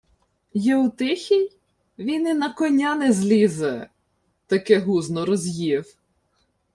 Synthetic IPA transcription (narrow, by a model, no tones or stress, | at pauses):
jɛʊt̪ɪxʲij | ʋʲinɪnɐkɔnʲɑnɛzlʲizɛ | t̪ɐkɛɦuznɔɾɔzʲjiw